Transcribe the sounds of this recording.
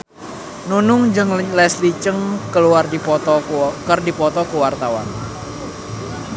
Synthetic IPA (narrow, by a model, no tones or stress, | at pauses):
nunʊŋd͡ʒɨŋlɛslit͡ʃəŋkəluardit̪ɔkərdipɔt̪ɔkəwart̪awa̰n